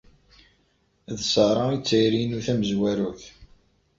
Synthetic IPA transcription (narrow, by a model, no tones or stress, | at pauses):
ðsəɾˤɑit͡sːəjɾinuθæməzwæɾuθ